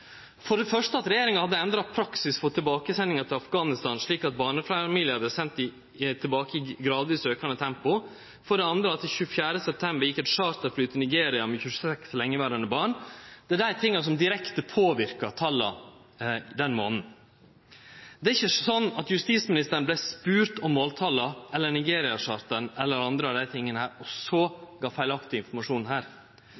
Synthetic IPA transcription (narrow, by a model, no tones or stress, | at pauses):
fɔɾɖɛfœʂtəɑt̪ɾɛjeːɾɪŋɑhɑd̪ːəɛnd̪ɾɑpʰɾɑksɪsfɔt̪ʰːɪlbɑːkəsɛnːɪŋɑt̪ʰɪlɑfɡɑːnɪst̪ɑːnʂɭiːkɑt̪̚bɑːɳəfɾɑmiːlɪəɑd̪əsɛnt̪ɪ | t̪ʰɪlbɑːkəɪɡɾɑːd̪ʋiːsøːkɑnət̪ʰɛmpʊ | fɔɖɛɑnd̪ɾəɑt̪ɪçʉːəfjæːɾəsɛp̚t̪ʰɛmbəɾjɪkːɛt̪ʂɑːɾt̪ɛɾflyːt̪ənɪɡeːɾɪɑmɛçʉsɛkslɛŋːəʋæːɾɑnəbɑːɳd̪̥ɛæɖ̪æɪt̪ʰɪŋːɑsɔmd̪ɪɾɛkt̪əpʰoːʋɪɾkɑt̪ʰɑlɑ̰ | d̪ɛnmo̰ːnn̩ | d̪ɛæɾɪçːəsɔnːɑt̪jʉst̪iːsmɪnɪst̪əɾən̩blæspʉːɾt̪ɔmːoːlt̪ʰɑːlɑʔɛlːənɪɡeːɾɪɑʂɑːɾt̪ənɛlːəɾɑnd̪ɾəɑd̪æɪt̪ʰɪŋːənəhæːɾɔsɔɡɑːfæɪlɑkt̪ɪɪnfɔɾmɑʂuːnhæːɾ